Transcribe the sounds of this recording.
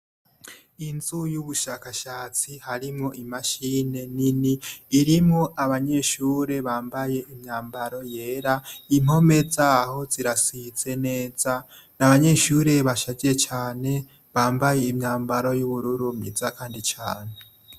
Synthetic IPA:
inzujuβuʃakaʃaːt͡sihaɾimŋo̞ʔimaʃine̞niniːɾimŋoʔaβaɲe̞ʃuːɾe̞βaːmbaje̞ʔimɲaːmbaɾo̞je̞ːɾaim̥o̞me̞d͡zaho̞ziɾasiz̥e̞ne̞ːz̥a | naβaɲe̞ʃuɾe̞βaʃaɟiɾet͡ʃaːne̞ | βaːmbaje̞imɲaːmbaɾo̞juβuɾuɾumizakaːndit͡ʃaːne

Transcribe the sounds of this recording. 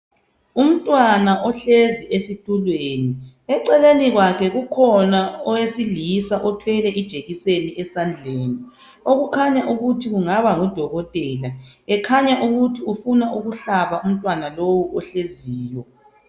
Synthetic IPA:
um̩tʼwanaʔɔɬeziʔesitʼulweːni | ɛǀɛleniɣwakʰɛɣukʰɔnaɔwesilisaʔɔtʰwɛlɛʔid̥ʒ̥ʱeɣiseniʔɛsand͡ɮʱeːni | oɣukʰaɲaʔuɣutʰiɣuŋaβaŋɔd̥ʱɔɣɔtʼɛlaɛkʰaɲaʔuɣutʰiufunaʔuɣuɬaβaum̩tʼwanalowuʔɔɬeziːjɔ

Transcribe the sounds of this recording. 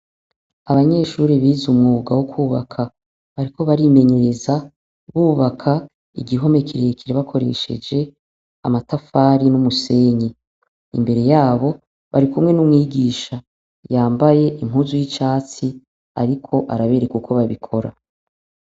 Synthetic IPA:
aβaɲe̞ʃuːɾiβiːzumŋuɡawokʰuːβakʰa | βaɾiko̞βaɾime̞ɲe̞ɾe̞za | βuːβakʰa | ḭɡiɦo̞me̞kʰiɾeekʰiɾeβakʰo̞ɾe̞̰ʃe̞̰d͡ʒe̞ | a̰matafaːɾinumuse̞ːɲi | ḭmbe̞ɾe̞jaːβo̞ | βa̰ɾikumŋe̞numŋiːɡiːʃa | jaːmbaje̞ʔim̥ɦuːzujit͡ʃaːt͡si | a̰ɾikʰo̞ʔa̰ɾaβe̞ːɾekukʰo̞βaβikʰo̞ɾa̰

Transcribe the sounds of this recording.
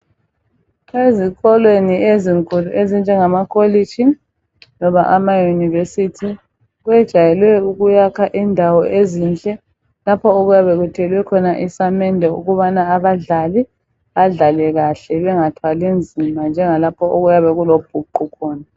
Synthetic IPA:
eziɣɔlwenieziŋkʰuluʔezind͡ʒʱɛŋamakʰoli̥t͡ʃi | nɔβaʔamajunivesitʰi | ɣwɛd̥ʒ̥ʱajɛlwɛuɣujakʰaʔindʱawɔʔeziːnd͡ɮʱʼɛ | lapʰɔoɣujaβɛɣutʰɛlwɛkʰɔnaʔisamɛndʱɛṵɣuβanaːβaɮali | βaɮalɛɣaɬɛβɛŋatʰwalind͡zʱimand͡ʒʱɛŋalapʰɔʔoɣujaβɛɣulob̥ʱuǃukʰɔːna

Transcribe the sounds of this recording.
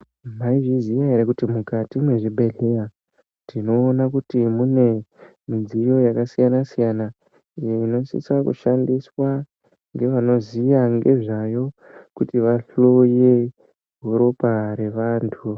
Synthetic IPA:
maiʐizijaɦeɾekutimukatimwe̞ʐibʱe̞ɮe̞ja | tino̞ːnakutimune̞ | mid͡zijo̞jakasijanasijana | ijeino̞sḭsakṵʃandiswa | ŋɡe̞ʋano̞ziʋaŋɡe̞ʐajo̞kutiʋaɬo̞je | ɦoɾo̞paɾe̞ʋaːntʰu

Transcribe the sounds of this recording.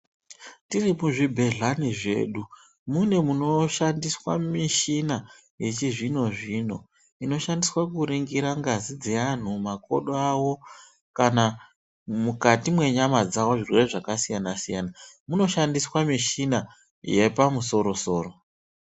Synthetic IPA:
tirimuʐibʱe̞ɮaniʐe̞̰ːɗu | mune̞muno̞ʃandiswa̰miʃina | je̞t͡ʃiʐino̞ʐiːno̰ | ino̞ʃandiswakuɾiŋɡiɾaŋɡazid͡zean̤umako̞̰ɗoawo̞ | kana | mukatimwe̞ɲamad͡zawo̞ʐirwe̞reʐakasijanasijanamuno̞ʃandiswamiʃina | je̞pamuso̞ɾo̞so̞ːro̞

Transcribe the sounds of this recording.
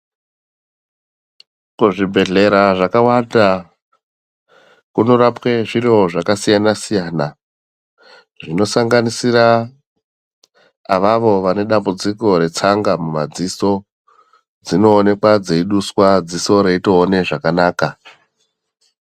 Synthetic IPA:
kuʐibʱe̞ɮe̞ɾaʐakawanda | kuno̞ɾapwe̞ʐirioʐakasijanasijaːna | ʐino̞saŋɡanisira | ʋaʋo̞ʋane̞ɗambud͡ziko̞ɾe̞t͡saŋɡamumad͡ziso̞ | d͡zino̞ːne̞kwad͡ze̞iɗuswad͡ziso̞ɾe̞itoːne̞ʐakanaːka

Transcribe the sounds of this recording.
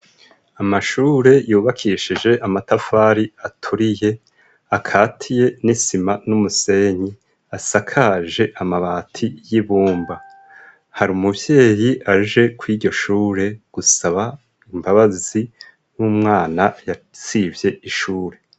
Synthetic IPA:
amaʃuːɾe̞juːβakʰiʃid͡ʒe̞ʔamatafaːɾiatʰuɾije̞ | akʰaːtʰije̞nisimanumuse̞ɲi | asakʰaʒe̞ʔamaβaːtʰijiβuːmba | haɾiumuvje̞ːjiʔaʒe̞kwiːɾɟo̞ʃuːɾe̞ɡ̥usaβa | imbaβazi | nuːmŋaːnajat͡sivje̞ʔiʃuːɾe̞

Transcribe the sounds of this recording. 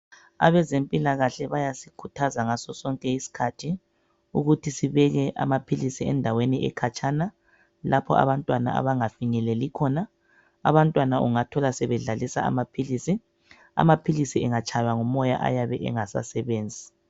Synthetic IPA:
a̰βɛzempʼilaɣaɬɛβajasikʰutʰazaŋasɔsɔŋkʼɛisi̥kʰatʰi | uɣutʰisiβɛɣɛʔa̰mapʰilisiɛ̰ndʱaweniʔɛ̰kʰat͡ʃʼana | lʔapʰɔʔa̰βantʼwana̰a̰βaŋafiɲɛlɛlikʰɔna | a̰βantʼwanaʔuŋatʰɔlasɛβɛɮalisa̰a̰mapʰilisi | a̰mapʰilisiɛŋat͡ʃʰʼajaŋumɔja̰ʔa̰jaβɛ̰ʔɛ̰ŋasa̰sɛβeːnd͡zʱi

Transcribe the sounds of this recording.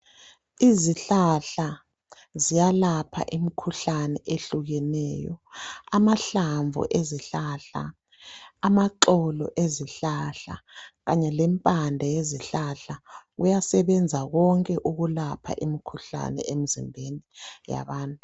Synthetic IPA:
iziɬaɬa | zijalapʰa̰ʔimikʰuɬanɛʔeɬuɣɛnɛːjɔ̰amaɬaɱvṵʔeziɬaɬa̰ | amaǁɔlɔ̰ʔeziɬaɬaɣaɲɛlɛmpʼandʱajeziɬaɬaɣujasɛβɛnd͡zʱaɣɔŋkʼɛʔuɣulapʰa̰ʔimikʰuɬa̰nɛ̰em̩zḭmbʱenija̰βaːntʼu

